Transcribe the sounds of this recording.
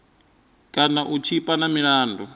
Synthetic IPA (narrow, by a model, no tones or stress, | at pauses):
kʼanaʔut͡ʃʰipʼanamiɺaːndʱɔ